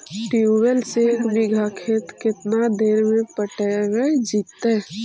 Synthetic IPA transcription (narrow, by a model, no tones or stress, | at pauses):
ʈjuwəlsekmiɡʱakʰeːt̪kɪt̪nad̪eːɾmẽpəʈəwed͡ʒiːt̪ːe